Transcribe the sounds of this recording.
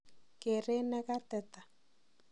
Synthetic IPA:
kɪ˨rɪ˦nɛ˦ka˦tɛ˦˨tḁ˨

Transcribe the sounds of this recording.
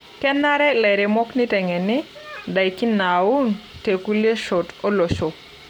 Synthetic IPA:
kɛ˦na˦ɾɛ˦lɛ˨ɾɪ˨mɔ˦knɪ˦tɛ˨ŋɛ˨nɪ˦da˨jki˦na˨u˦nte˨ku˦le˦ʃɔ˨to˦lo˨ʃo˨

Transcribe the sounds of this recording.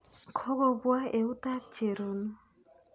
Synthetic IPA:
kʰɔ˦ɣɔ˦βwa˦e˨u˦ta˦t͡ʃe˨ɾo˨nu˦

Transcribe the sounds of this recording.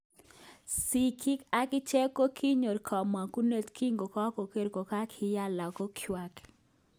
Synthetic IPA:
si˨kʰi˦ka˦kɪ˦t͡ʃe˦ko˦kʰi˦ɲo˨ɾkʰɔ˨ma˨ku˦ne˦t̪ki˦ŋɡo˨kɔ˦ko˨ke˦ɾko˨ka˦kʰɪ˨ja˦la˨ko˦kʰjwa˨k

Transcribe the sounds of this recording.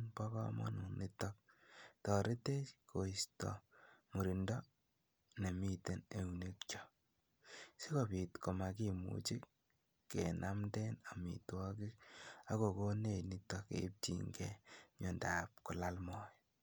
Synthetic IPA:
ŋbɔ˦kɔ̰˦mɔ̰˦nu˨ni˦tɔ˦k̚tɔ˨ɾe˦te˦ko˨istɔ̰˨mu˨ɾi˨ndɔ˦ | ne˨mi˦te˨ne˦wne˦kt͡ʃɔ˦ | si˦ko˨pi˨tko˨ma˨ki˦mṵ˨t͡ʃi˦kː | kːḛnʔa˦mdɛ˦na˨mḭ˨twɔkɪ˦k̚a˦ko˨ko˦ne˦˨ni˦tɔ˦kḛ˨˦p̚t͡ʃḭ˨ŋɡɛɲɔ˨nda˨p̚kʊ˨la˦lmɔ˨j

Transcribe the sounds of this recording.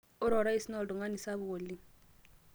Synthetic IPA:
ʊ˦ɾɔ˨ɾa˦i˨si˦nɔ˦˨ldɔ˨ŋɡa˦ni˨sa˦βʊ˨o˨li˦

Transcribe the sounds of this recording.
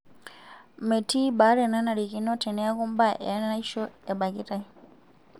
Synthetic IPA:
me˨tʰi˦ba˨˦ɾɛ˦˨na˦na˨ɾi˨ki˨˦nɔ˦tʰɛ˨nɛ˨˦a˦ku˦mba˦ʔɛ̰˨a˦n˦a˦i˦ʃɔ˦ɛ˨ba˨ki˦ta˦i˦

